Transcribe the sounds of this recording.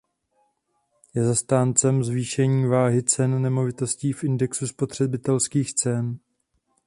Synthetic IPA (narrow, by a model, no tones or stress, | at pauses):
jɛzast̪aːnt͡sɛmzviːʃɛɲiːvaːɦɪt͡sɛnːɛmo̞vɪt̪o̞sciːfʔɪndɛksuspo̞t̪r̝̥ɛbɪt̪ɛlskiːxt͡sɛn